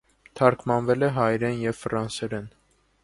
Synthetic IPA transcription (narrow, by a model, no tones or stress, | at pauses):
t̪ʰɑɾkʰmɑnvɛlɛɦɑjɾɛnjɛvfɾɑnsɛɾɛn